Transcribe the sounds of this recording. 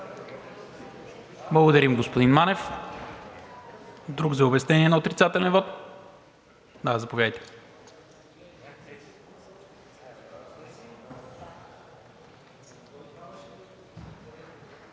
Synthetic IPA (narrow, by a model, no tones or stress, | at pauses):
blˠɐɡod̪ɐɾimɡospod̪inmanɛf | d̪ɾuɡzɐobɛst̪ɛniɛnɐot̪ɾit̪sat̪ɛlɛnvɔt̪ | d̪azɐpovʲjad̪jt̪ɛ̥